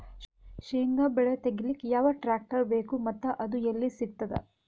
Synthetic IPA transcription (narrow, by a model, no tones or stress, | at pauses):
ʃiːŋɡɐbɛɭet̪eɡilikjaːʋɐʈɾaːk̚ʈɐɾbe̞ːkumɐt̪ːɐʔɐd̪ujelːisiɡ̚t̪ɐd̪ḛ